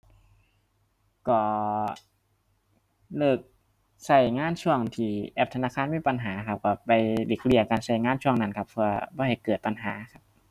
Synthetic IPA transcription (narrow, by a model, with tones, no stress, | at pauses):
kɔː˧˩ | lɤː˧˩k̚ | sa˧˩jŋaː˧˥˨nt͡ɕʰu˧˥˩əŋt̪ʰiː˧˩ʔɛ˧p̚t̪ʰnaː˧˥˨kʰaː˧˥˨nmiː˧˥˨pa˧nɦaː˩˦kʰa˧˩p̚kɔː˧˩pa˨jle˧˩k̚li˧˩ɐ˨kaː˨˩nsa˧˩jŋaː˧˥˨nt͡ɕʰu˧˩əŋna˧˨nkʰa˧˥pʰːɯ˧ɐbɔː˧˦ɦa˨˩jkɤː˨˩t̪̚pa˧˩nɦaː˩˦kʰa˧˥p̚